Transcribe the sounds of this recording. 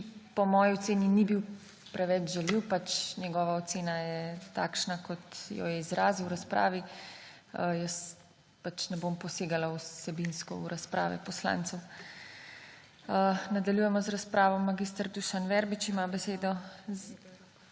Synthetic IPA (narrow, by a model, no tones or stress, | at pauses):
pɔmɔːjiɔt̪seːninibiw | pɾɛʋɛt͡ʃʒɛliwpat͡ʃnjɛɡɔːʋaɔt̪seːnajɛt̪a̰ːkʃnakʰɔt̪jɔ̰jɛizɾaːziwɾaspɾa̰ːʋi | əjəs | pat͡ʃnɛbompɔseːɡalausɛbinskɔ̰uɾaspɾa̰ːʋɛ̰pɔsla̰ːnt̪sw | ənad̪aljuːjɛmɔzɾaspɾaːʋɔmːaɡist̪əɾd̪uʃanʋɛɾbit͡ʃimabɛseːd̪ɔz